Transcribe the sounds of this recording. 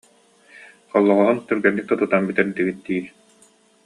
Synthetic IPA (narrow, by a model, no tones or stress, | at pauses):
χɔlˠːɔʁɔʁɔnt̪œɾɡɛnːik̚ːɛt̪ut̪anbit̪ɛnd̪iɡit̪d̪iː